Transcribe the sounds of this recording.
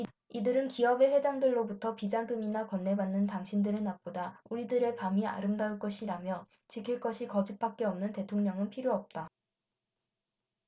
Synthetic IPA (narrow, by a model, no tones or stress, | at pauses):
idɯɾɯnkiʌbe̞ɸwe̞d͡ʑaŋdɯɭːobutʰʌpid͡ʑaŋɡɯminakwʌnːe̞banːɯntaŋɕʰindɯɾenap̚p͈odauɾidɯɾe̞pamia̰ɾɯmdaɯɭk͈ʌɕʰiɾamjʌ | t͡ɕikʰiɭk͈ʌɕʰikʌd͡ʑip̚p͈ak͈̚e̞ʌmnɯnte̞tʰoŋɲʌŋɯnpʰiɾjoʌp̚t͈a